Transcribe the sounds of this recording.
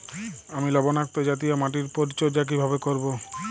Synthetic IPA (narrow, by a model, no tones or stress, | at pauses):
amilɔbonak̚t̪od͡ʑat̪̬ijamaʈ̬iɾpoɾit͡ɕod͡ʑak̬ibʱabekoɾbo